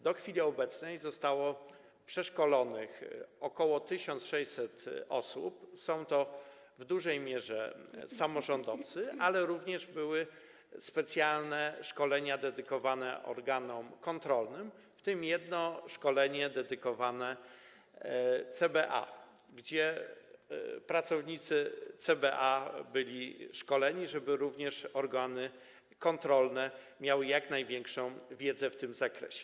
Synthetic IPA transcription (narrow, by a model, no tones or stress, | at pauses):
d̪ɔxfʲilʲiɔbɛt̪snɛjzɔst̪awɔ | pʂɛʂkɔlɔnɘxɔkɔwɔt̪ɘɕɔnt̪ʂɛjsɛt̪ɔsṵpsɔ̃w̃t̪ɔ | vd̪uʐɛjmʲjɛʐɛ̰samɔʐɔnd̪ɔft̪sɘalɛɾuvɲɛʐbɘwɘ | spɛt̪sʲjalnɛʂkɔlɛɲad̪ɛd̪ɘkɔvanɛʔɔ̰ɾɡanɔmkɔnt̪ɾɔlnɘm | ft̪ɘmjɛd̪nɔʂkɔlɛɲɛd̪ɛd̪ɘkɔvanɛ | t̪sɛbɛʔa̰ɡd͡ʑɛ | pɾat̪sɔvɲit̪sɘt̪sɛbɛʔabɘlʲiʂkɔlɛɲiʐɛbɘɾuvɲɛʂɔɾɡanɘ | kɔnt̪ɾɔlnɛmʲjawɘjaknajvʲjɛŋkʂɔ̃w̃vʲjɛd̪zɛft̪ɘmzakɾɛ̰ɕɛ̥